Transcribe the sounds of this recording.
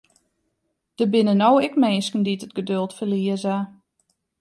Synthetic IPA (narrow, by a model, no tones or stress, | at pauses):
d̥əbɪnənowɪkmeːskən̩ditətɡ̥ədølˠtfəliəza